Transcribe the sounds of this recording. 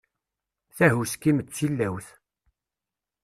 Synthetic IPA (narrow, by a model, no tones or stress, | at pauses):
θæhuskːimət͡sːilːæwθ